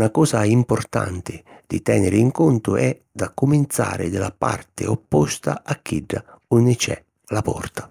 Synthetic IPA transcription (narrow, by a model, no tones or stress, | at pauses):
nakɔːsaimpʊrt̪a̰nt̪ɪd̪̥ɪt̪ɛnɪɾɪiŋkɔnt̪ʊʔɛ | d̪akːʊmɪnt̪sa̰ːɾɪd̪ɪlapa̰rt̪ɪ̰ɔpːɔst̪aakʰːiɖːa | unːɪt͡ʃɛ̰ | lapɔrt̪ḁ